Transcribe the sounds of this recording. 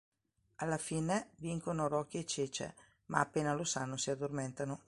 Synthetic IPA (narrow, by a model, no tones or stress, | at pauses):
alːafiːneviŋkonoɾɔkːeet͡ʃeːt͡ʃḛ | ma̰ːpːeːnalosanːosiad̪ːorment̪ano